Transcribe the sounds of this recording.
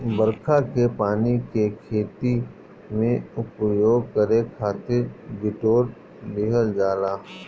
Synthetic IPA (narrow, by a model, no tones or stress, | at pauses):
bəɾkʰakepaːnikekʰeːt̪i | mẽʊpjoːɡkəɾekʰaːt̪ɪɾbɪʈoːɾ | lɪɦəld͡ʒaːlaː